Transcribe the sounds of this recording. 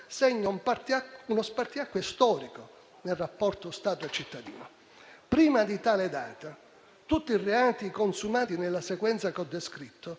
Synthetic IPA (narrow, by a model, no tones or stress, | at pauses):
sɛɲːompat̪aunospart̪iakːwest̪ɔːɾiko | nelrapːɔrt̪ost̪aːt̪oat͡ʃːit̪ːad̪ḭːno | pɾiːmad̪it̪aːled̪a̰ːt̪a | t̪ut̪ːiireaːt̪ikonsumaːt̪inelːasekwɛnt̪sakɔd̪ːeskɾit̪ːo